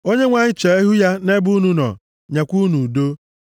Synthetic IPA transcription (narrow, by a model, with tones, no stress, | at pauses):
o˦ɲe˦ŋʷa˦ɲɪ˦t͡ʃe˨e˦ɦu˦ja˦ne˦bu˦nu˦nɔ̰˨ | ɲe˨kʷu˦nu˨do˦